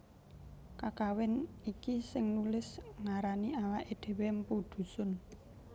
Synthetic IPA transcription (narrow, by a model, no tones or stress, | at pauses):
kakawɪnikisɪŋnulɪsŋaɾanialaʔed̪̥e̤wempud̪̥ṳsʊn